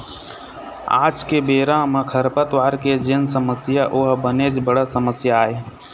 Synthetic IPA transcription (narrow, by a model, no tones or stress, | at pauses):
a̰ːd͡ʒkebeːɾãmẽkʰəɾpət̪ʋaːɾked͡ʒensəməsjaʔʊɦbəned͡ʒbəɽasəməsjae